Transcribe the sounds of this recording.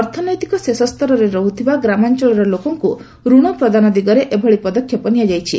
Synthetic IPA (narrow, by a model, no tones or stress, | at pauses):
ɔɾt̪ʰɔnɔjt̪ikɔsesɔst̪ɔɾɔɾeɾɔɦut̪ʰibaɡɾamant͡ʃɔɭɔɾɔlokɔŋku | ɾuɽ̃ɔpɾɔd̪ʱanɔd̪iɡɔɾeʔebʱɔɭipɔd̪ɔkʰːjɔpɔnijad͡ʒajt͡ʃʰḭ